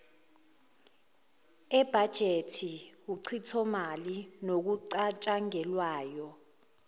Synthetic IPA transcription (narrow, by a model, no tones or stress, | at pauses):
ɛb̥ʱad̥ʒ̥ʱetʰiwuǀʰitʰɔmalinok̬uǀat͡ʃʼaŋɛlwaːjɔ